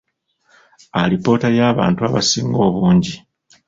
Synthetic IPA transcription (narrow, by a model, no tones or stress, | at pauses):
alipo̞ːtajaːβa̰ːntuaβasiːŋɡo̞ːβuːɲɟi